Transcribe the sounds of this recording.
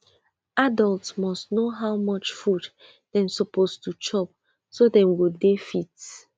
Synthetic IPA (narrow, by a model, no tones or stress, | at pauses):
adɔltsmɔstnoɦawmɔt͡ʃfud | d̥ɛ̃msɔpostut͡ʃɔp | sodɛ̃mɡodefit